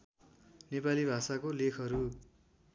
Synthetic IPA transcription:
nepalibʱasakolekʰʌɾu

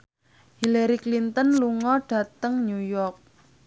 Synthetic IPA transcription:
hilaɾiklint̪ənluŋɔɖ̥a̤t̪əŋɲujɔrk̚

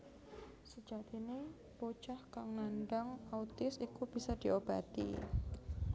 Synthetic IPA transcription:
səd͡ʒat̪ini | pot͡ʃahkaŋnanɖaŋaut̪ɪsikub̥isad̪̥iʔob̥at̪ḭ

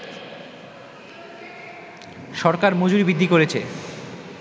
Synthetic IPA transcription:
ʃɔɾkaɾmod͡ʑuɾibid̪ʱːikoɾet͡ɕʰe

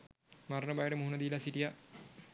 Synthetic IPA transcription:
maɾnəbajəʈəmuɦunəd̪ilasiʈija

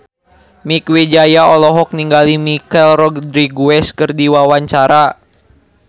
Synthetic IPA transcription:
mikwed͡ʒajaɔlɔɦɔk̚niŋɡalimikɛlrɔɡdɾiɡuɛskɨrdiwawaɲt͡ʃaɾa

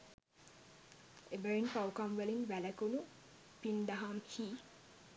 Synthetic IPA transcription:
ebəɾinpawkɐmʋəlinʋælɐkunu | pind̪aɦamhiː

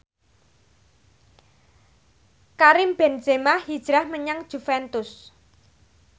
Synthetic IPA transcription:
kaɾɪmb̥ɛn̥d͡ʒ̥e̤mahhid̥ʒ̥ɾahməɲaŋd̥ʒ̥ṳfɛnt̪ʊs

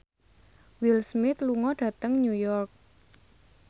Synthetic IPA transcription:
wilsmɪt̪luŋɔɖ̥ä̤t̪əŋɲujɔrk̚

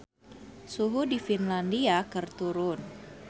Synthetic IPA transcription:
suɦudifinlandiakərt̪uɾʊn

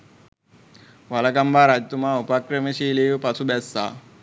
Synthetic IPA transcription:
ʋɐlɐkɐmbʱaːɾad͡ʑt̪umaupakɾɐmiʃiːliʋpɐsʰubɛsːa̰ː

